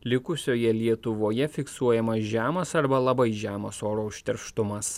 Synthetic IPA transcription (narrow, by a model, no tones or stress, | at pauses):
lʲɪkʊsʲoːjɛlʲiɛt̪ʊʋoːjɛfʲɪksuɔjɛmɐsʒʲæːmɐsɐɾbɐlˠɐbɐɪʒʲæːmɐsoːɾoːʊʃʲt̪ʲɛɾʃt̪ʊmɐs